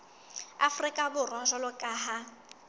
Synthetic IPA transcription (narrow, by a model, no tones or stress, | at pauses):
a̰frikʼabʊrwaʒʷalʊkʼaːɦa